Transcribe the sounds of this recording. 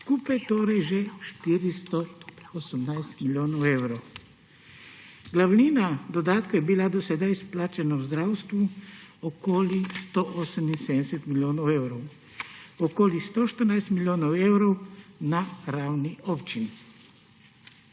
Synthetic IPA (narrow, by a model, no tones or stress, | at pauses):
skuːpajt̪oːɾajʒɛʃt̪iːɾist̪ɔɔsəmnajst̪miljoːnɔwɛwɾow | ɡlawniːnad̪ɔd̪aːt̪kojɛbilad̪ɔsɛd̪ajisplaːt͡ʃɛnawzd̪ɾaːwst̪ʋuɔkoːlist̪oʔɔsəminsɛd̪sɛt̪miljoːnɔwɛwɾɔw | ɔkoːlist̪oʃt̪əɾnajst̪miljoːnɔwɛwɾɔwnaɾaːwniʔɔːpt͡ʃini